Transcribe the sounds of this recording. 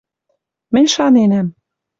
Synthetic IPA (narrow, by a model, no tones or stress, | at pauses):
mɘ̆nʲʃɑnenæm